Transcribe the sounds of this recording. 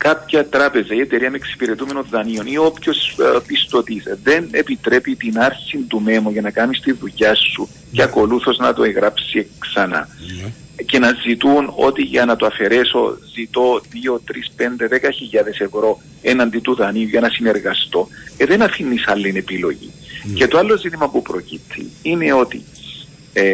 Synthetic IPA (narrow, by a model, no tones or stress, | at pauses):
kɐpçɐt̪ɾɐpe̞zɐie̞t̪e̞ɾiɐmeeksi̥piɾe̞t̪ume̞no̞nðɐnio̞niopço̞spist̪o̞t̪isðe̞nepit̪ɾe̞pit̪inɐɾsind̪ume̞moʝɐnɐkɐmist̪iuʎɐsːu | ceɐko̞luθo̞znɐt̪oeɣɾɐpsiksɐnɐ̰ | ce̞nɐzit̪uno̞̰t̪iʝɐnɐt̪oɐfe̞ɾe̞so̞̰zit̪o̞ðio̞t̪ɾispe̞nd̪e̞ðekɐçiʎːɐðe̞se̞vɾo̞ | enɐnd̪it̪uðɐniuʝɐnɐsine̞ɾɣɐst̪o̞eðe̞nɐfinːisɐlːine̞pilo̞ʝḭce̞t̪oalːo̞zit̪imɐpupɾo̞cit̪ʰːḭine̞o̞t̪ḭ